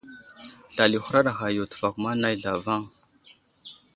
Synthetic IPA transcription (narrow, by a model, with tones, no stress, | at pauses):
ɬa˨li˨xu˦ɾa˦ɗa˨xa˨jo˨tu̥˨fa˨ku˨ma˦na˦jɮa˨va˦˨ŋ